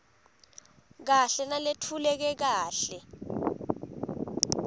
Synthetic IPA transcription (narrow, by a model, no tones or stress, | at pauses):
k̬aɬɛnaletʰulɛk̬ɛk̬aːɬɛ